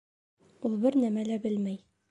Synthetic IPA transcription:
ulˠbɘɾnæmælæbɘlmæj

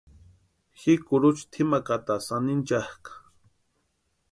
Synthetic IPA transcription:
xikʊɾʊt͡ʃt̪ʰɪmakat̪asanɪnt͡ʃahkḁ

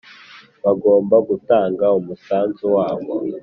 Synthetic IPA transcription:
βaɡo̞ːmbaɡutaːŋɡaumusaːnzuwaːβo

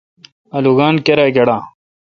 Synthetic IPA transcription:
ɐluɡaːnkeɾaːɡɐɽãː

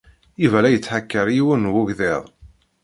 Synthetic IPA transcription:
ivælæjət͡sːħakːəɾjiwənwʊʝðɪðˤ

